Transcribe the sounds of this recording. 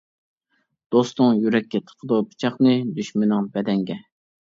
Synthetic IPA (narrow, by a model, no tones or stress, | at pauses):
d̪̥ost̪ʊŋjyɾɛkʲːɛt̪ʰə̥qʰəd̪upɨ̥t͡ʃʰɑχnɨd̪yʃmɪnɨŋbɛd̪ɛŋɡʲɛ